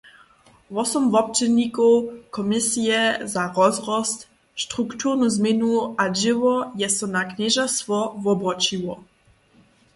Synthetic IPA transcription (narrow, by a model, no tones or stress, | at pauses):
vɔsɔmvɔp̚t͡ʃɛdnikɔwkɔmɪsijɛzaʁɔzʁɔst̪ | ʃt̪ʁukt̪uʁnuzmɪnuaʒɪvɔjɛsɔnakɲɛʒast̪vɔvɔbʁɔt͡ʃiwɔ